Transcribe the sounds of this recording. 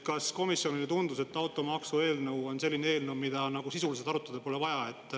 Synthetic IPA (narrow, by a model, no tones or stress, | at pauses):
kɑsko̞misjo̞nilet̪und̪̥use̞t̪ːɑwt̪ːˑo̞mɑksue̞ːlnəwo̞nse̞lːinee̞ːlnəwmid̪̥ɑnɑɡ̥usisulise̞d̪ɑɾut̪ːˑɑd̪e̥po̞levɑjɑe̞t̪ːˑ